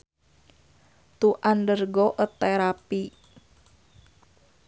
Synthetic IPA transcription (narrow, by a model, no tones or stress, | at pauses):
t̪uʔandərɡɔʔət̪ːeɾapi